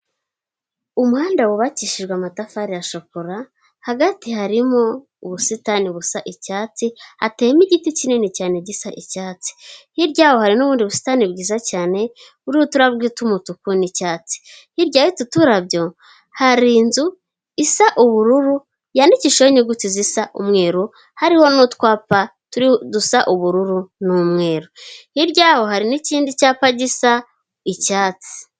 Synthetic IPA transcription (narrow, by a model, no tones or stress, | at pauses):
umuhaːndawuβaciʃiʒɡwamatafaɾiaʃokoɾa | haɡatihaɾimo̞ | uβusitaniβusaʔicaːt͡sihateːmiɟiticininicaːneɟisaʔicaːt͡si̥hiɾɟaːwohaɾinuβuːndiβusi̥tanibɡiːzacaːne̞ | uɾiwotuɾaβɡitumutukunicaːt͡si̥ | hiɾɟaːwitutuɾabɟo̞ | haɾiːnzu | isaʔuβuɾuɾu | jandiciʃoɲuɡutizisaʔṵmŋe̞ːɾo | haɾiho̞nutkwaːpatuɾidusaʔuβuɾuɾunumŋe̞ːɾohiɾɟaːho̞haɾiniciːndicaːpaɟisa | icaːt͡si̥